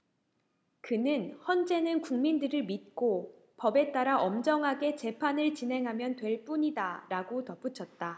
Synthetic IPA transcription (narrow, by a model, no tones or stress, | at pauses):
kɯnɯnhʌnd͡ʑe̞nɯnkuŋmindɯɾɯɭmit̚k͈o | pʌbe̞t͈aɾaʔʌmd͡ʑʌŋɦaɡe̞t͡ɕe̞pʰanɯɭt͡ɕinɦe̞ŋɦamjʌntwe̞ɭp͈uɲidaɾaɡotʌp͈ut͡ɕʰʌt̚t͈a